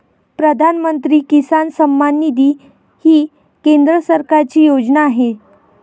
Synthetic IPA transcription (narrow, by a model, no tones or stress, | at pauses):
pɾəd̪ʱanmənt̪ɾiːkisansəmːanːid̪iː | hiː | kend̪ɾəsəɾkaɾt͡ɕiːjod͡ʑnaːɦe